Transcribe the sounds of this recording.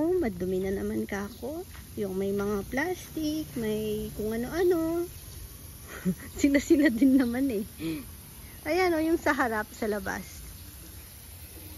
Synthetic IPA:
mɐd̪ʊmɪnɐnɐmankɐʔɐko̞ | jʊŋmɐjmɐŋaplast̪ɪk̚mɐjkʊŋʔɐno̞ʔɐno̞ | sɪlasɪlad̪ɪnːɐmanɛ | ʔɐjano̞jʊŋsɐɦɐɾap̚sɐlɐba̰s

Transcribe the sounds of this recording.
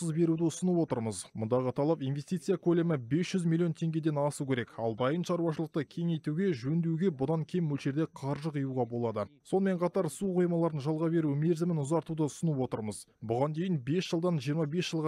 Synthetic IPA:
əzbe̞ɾud̪ɪʊsənəpwo̞t̪əɾməzmʊnd̪ɑʁət̪ʰɑlˠɑpinvʲe̞st̪ijt̪sɨjakʰɵle̞mɪbe̞sʒ̥ʏzmilʲːˠijo̞nt̪ʰe̞ŋɡʲe̞d̪e̞nɑsukʲʰe̞ɾe̞kɑ̰lˠd̪ɑjənʃɑɾuwɑʃəlˠəq̚t̪əkʲʰe̞ŋejt̪uɡʲe̞ʒɵnd̪ewɡʲe̞bʊd̪ɑŋkʲʰe̞mwɵlʃe̞ɾd̪e̞qʰɑɾʒəqijuʁɑbo̞lˠɑd̪əso̞nəme̞ɴqʰɑt̪ɑɾsuqʰujmɑlˠɑɾənʒɑlˠʁɑbe̞ɾume̞ɾzɪmɪnʊzɑɾt̪ud̪əʊsənəpwo̞t̪əɾməzbʊʁɑnd̪e̞jɪnbe̞sʒ̥əlˠd̪ɑnʒijəɾmɑbe̞sʒ̥əlˠʁɑ

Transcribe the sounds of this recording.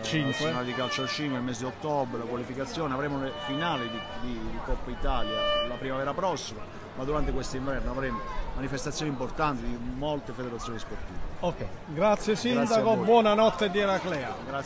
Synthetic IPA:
t͡ʃiŋkwenaːled̪ikalt͡ʃalt͡ʃiŋkweilmeːsɪd̪iot̪ːɔbelakwalifikat̪sːjɔːneavɾemolefinaːlid̪id̪iikɔpːait̪aljalapɾimavɛːɾapɾɔsːima | mad̪uɾant̪ekwest̪oiɱvɛrnoavɾemomanifest̪at̪sːjoːnimport̪ant̪id̪imolt̪efed̪eɾat̪sːjoːnisport̪ḭːveokːɡɾat̪sːjesid̪akobwɔnanɔt̪ːed̪iɛɾaklɛaɡɾa

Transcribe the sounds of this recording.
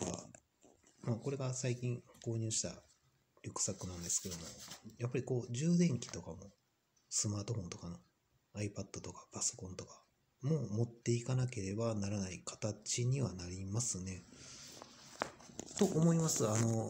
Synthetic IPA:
a̰ | maːko̞ɾe̞ɡasaikʲĩŋko̞ːɲ̟ɨːɕi̥t̪a̰ | ɾʲo̞kɯ̟̥sakɯ̟nãnd̪e̞sɨ̥ke̞d̪o̞mo̞japːaɾʲiko̞ːʑɨːd̪ẽ̞ŋkʲi̥t̪o̞kamo̞ | sɨmaːt̪o̞ɸõ̞nt̪o̞kano̞ | aipad̪ːo̞t̪o̞kḁpaso̞̥kõ̞nt̪o̞kḁ | moːmo̞t̪ːe̞ikanake̞ɾe̞banaɾanaikḁt̪at͡ɕiɲ̟iβanaɾʲimasɨne̞ | t̪o̞ʔomo̞imasɨano̞

